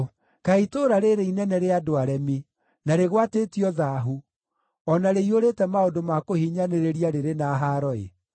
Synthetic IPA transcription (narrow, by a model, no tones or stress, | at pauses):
kaitoɾaɾeɾeinɛnɛɾeadoaɾɛmi | naɾeɣwatetiɔðaɦu | ɔnaɾeioɾetɛmaodomakohiɲaneɾeɾiaɾeɾenaɦaɾɔḛ